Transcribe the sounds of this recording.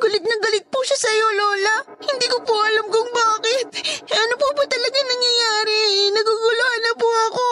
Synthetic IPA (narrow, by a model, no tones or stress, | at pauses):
ɡ̥ɐlɪt̪̚nɐŋɡɐlɪt̪̚pʊʃasɐjo̞lo̞ːlɐ | hɪnd̪iːkopoʔɐlamkʊŋbaːkɪt̪̚ɐnopʊpʊt̪ɐlɐɡɐŋnɐŋjɐjaːɾɛnɐɡuɡʊlohɐnɐpʊɐko̞